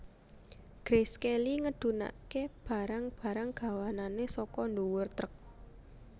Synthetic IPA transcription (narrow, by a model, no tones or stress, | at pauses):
ɡ̥ɾeskeliŋəɖ̪̥ṳna̰keb̥a̤ɾaŋb̥ä̤ɾaŋɡ̥ä̤wananesɔkɔndowʊrt̪ɾək̚